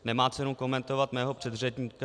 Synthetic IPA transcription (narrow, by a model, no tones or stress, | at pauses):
nɛmaːt͡sɛnuwko̞mɛnt̪o̞vat̪mɛːɦo̞pr̝̥ɛd̪r̝ɛd̪ɲiːka